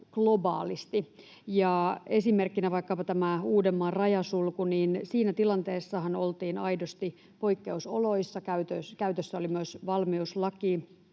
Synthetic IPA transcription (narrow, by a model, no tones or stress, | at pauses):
klobɑːlist̪i | jɑesimerkːinæʋɑikːɑpɑt̪æmæuːdemːɑrɑjɑsulkuniːnsiːnæt̪ilɑnt̪eːsːɑhɑnolt̪iːnɑidost̪i | poikːeuso̰loisːɑkæyt̪øskæyt̪øsːæolimyøsʋɑlmiuslɑki